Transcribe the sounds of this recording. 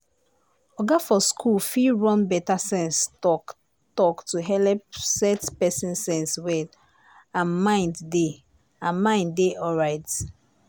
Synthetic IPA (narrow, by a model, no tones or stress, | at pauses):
ɔɡafɔskʰulfilɹɔ̃nbɛtasɛ̃nsɔ | tɔktuɦɛlɛpsɛtpɛsĩnsɛ̃nswɛ | ãnmãɪ̃ndde | ãnmãɪ̃ndeʔɔɹaɪt